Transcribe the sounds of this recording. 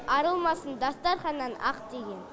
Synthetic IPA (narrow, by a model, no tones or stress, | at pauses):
ɑɾəlˠmɑsənd̪ɑst̪ɑɾχɑnːɑnɑ̰qd̪̥e̞ɡʲe̞n